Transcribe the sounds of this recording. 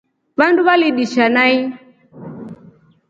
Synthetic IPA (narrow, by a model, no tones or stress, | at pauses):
βanduβaliɗiʃanai